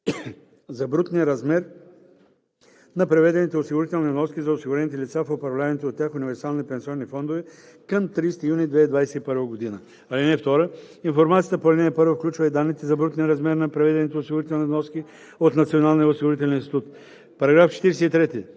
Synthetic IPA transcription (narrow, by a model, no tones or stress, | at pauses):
zɐbɾut̪nijəɾɐzmɛɾ | nɐpɾɛvɛd̪ɛnit̪ɛosiɡʊɾit̪ɛlˠnivnɔskʲizɐosiɡʊɾɛnit̪ɛlʲit̪safopɾɐvlʲavɛnʲit̪oot̪ːʲjaxʊnivɛɾsalˠnipɛnsiɔnːifɔnd̪ovɛ | kəmt̪ɾist̪ijunid̪vɛid̪vajsɛipəɾvəɡod̪inə | alinɛft̪ɔɾə | infoɾmat̪sijət̪əpoɾnɛɛpɤɾvəfklʲut͡ʃvɐid̪anːit̪ɛzɐbɾut̪nʲiəɾɐzmɛɾnɐpɾɛvɛd̪ɛnit̪ɛosiɡʊɾit̪ɛlˠnivnɔski | ot̪nɐt̪sionalˠnijəosiɡʊɾit̪̬ɛlɛnĩnst̪it̪ut̪ | pɐɾɐɡɾaft͡ʃɛ̥t̪iɾɛsɛit̪ɾɛt̪i